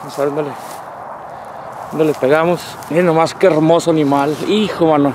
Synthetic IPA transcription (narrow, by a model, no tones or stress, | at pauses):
nosaβond̪ole | ond̪olepeɣamos | nenomaskeeɾmosoanimalixomano